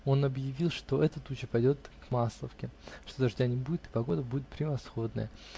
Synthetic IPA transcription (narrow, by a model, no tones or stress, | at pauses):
o̞nɐbjɪvʲilˠʂt̪o̞ʔɛt̪ət̪ut͡ɕɪpɐjdʲo̞t̪kmaslˠəfkʲɪʂt̪o̞d̪ɐʐdʲanʲɪbudʲɪt̪ɨ̥pɐɡo̞d̪əbudʲɪt̪pɾʲɪvɐsxo̞d̪nə̰jə